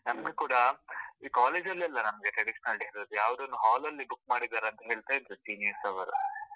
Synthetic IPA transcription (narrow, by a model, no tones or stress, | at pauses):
nɐmɐɡekuːɽɐiːkaːleːd͡ʒɐlːiɐlːɐnɐmɐɡeʈɾɐɽiʃɐnɐlʈiɾod̪ujaːʋɐd̪ɐnːuɦaːlɐlːibukːmaːɽid̪aːɾeɐnt̪ɐɦe̞ːɭt̪aid̪ɾusiːneːɾsɐʋɐɾṵ